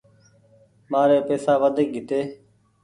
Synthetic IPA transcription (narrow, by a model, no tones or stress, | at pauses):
maːɾeːpeːsaːʋəd̪ʱɪk̚ɡʱɪt̪eː